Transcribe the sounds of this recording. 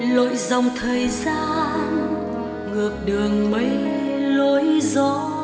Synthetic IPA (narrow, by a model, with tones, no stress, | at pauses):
lo̰˧˨jza˨˩wŋ͡mt̪ʰəː˨˩jzaː˧n | ŋɨ˨˩ək̚ɗɨ˨˩əŋmə˨˦jlo˧˦jzɔ˧˥